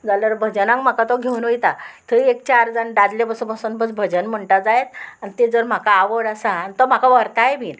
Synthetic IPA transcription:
d͡zaləɾbʱəd͡ʑənãŋkm̤akat̪ɔɡʱeunʋəjt̪at̪ʰəiek̚t͡ɕaɾd͡zanɖad̪lebəsəbʱəsonbəd͡zbʱəd͡ʑənm̤əɳʈad͡zajet̪anit̪ed͡zəɾm̤akaːʋəɽasaːnit̪ɔm̤akaʋəɾt̪ajbʱiːn

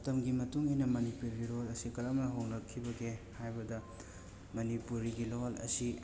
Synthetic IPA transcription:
mɐtɐmɡimɐtuŋijnɐmɐnipuɾɡilolɐsikɐɾɐmɐɦoŋɾɐkʰːibɐɡehajbɐdɐ | mɐnipuɾiɡilolɐ̰si

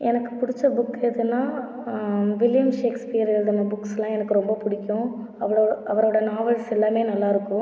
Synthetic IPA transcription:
ɛnɐkːɯ̥pʊɽɪt͡ʃːɐbʊkːeðɯnːaː | ʋɪlɪjɐmʂeːkspijɐɾɛld̪ɐnɐbʊkːslãːɛnɐkːɯɾɔmbɐpʊɽɪkʲːʊ̃ | ɐʋɐʔɐʋɐɾoːɽɐnaːʋɐɻsɛlːaːmeːnɐlːaːɪɾɯkːʊ̃

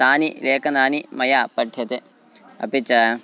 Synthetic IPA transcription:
aːnileːkɐnaːnimɐjaːpɐʈʰːjɐt̪e | ɐ̰pit͡ʃɐ

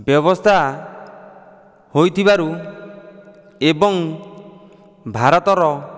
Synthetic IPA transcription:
bjɔβɔst̪ʰa | hojt̪ʰiβaɾu | ebɔŋ | bʱaɾɔt̪ɔɾɔ

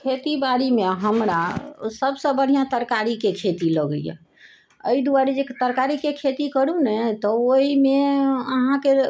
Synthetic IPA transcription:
kʰet̪ibaɾimeɦəmɾasəbsə̃bəɽ̤ijãt̪əɾkaɾikekʰet̪iləɡə̰jḛ | ə̰id̪uaɾid͡ʒet̪əɾkaɾikekʰet̪ikəɽũnɛt̪ɔoɦimeəɦãke

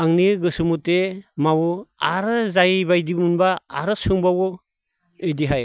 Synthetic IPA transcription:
aŋniɡɯsɯmutemawɔaɾɯzajbajdimunba̰ːɾɯsɯŋbawɔ | ɯjdiɦaj

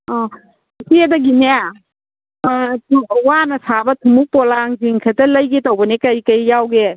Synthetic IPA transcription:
ɔ | sedɐɡinea | wanɐsabɐtʰumuk̚pɔlaŋziŋkʰɐtɐlɐjɡetawbɐnekɐjkɐjːawɡe

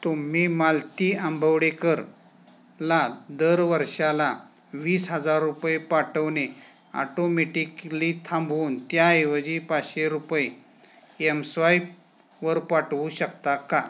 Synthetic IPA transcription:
t̪um̤imalt̪iːambʱəʋɽekəɾ | lad̪əɾʋəɾɕala | ʋiːsɦəd͡zaɾːupjepaʈəʋne | a̰ʈomeʈiklit̪ʰãmbʱuːnt̪jaeʋəd͡ʑipaɕeɾupje | emsʋaip | ʋəɾpaʈʋuɕəkt̪aka

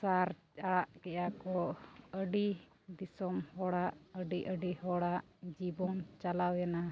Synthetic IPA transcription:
saɾ | aɽaʔkɛjakɔəɖi | d̪isɔmhɔɽaʔəɖiʔəɖihɔɽaʔ | d͡ʒibɔnt͡ʃalawjana

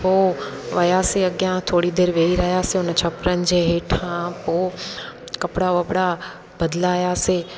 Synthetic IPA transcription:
poː | ʋɐjaseɐɡjãt̪ʰoːɽid̪eːɾʋeːiɾɐɦjaːseʊnət͡ɕʰɐpɾənɪ̆d͡ʑeːɦeːʈʰãpoː | kɐpɽaɐpɽa | bɐd̪laːjaseː

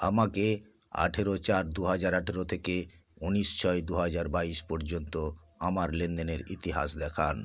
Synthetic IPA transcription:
amake | a̰ʈʰeɾot͡ɕaɾd̪uɦad͡ʑaɾaʈʰeɾot̪ʰekeuniʃt͡ɕʰɔed̪uɦad͡ʑaɾbaiʃpɔɾd͡ʑont̪o | amaɾlend̪eneɾit̪iɦa̰sd̪ɛkʰan

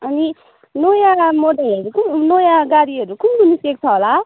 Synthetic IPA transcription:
ʌni | nojamoɖalʌɾukunojaɡaɽiɦʌɾukumunisek̚t͡sʰʌɦola

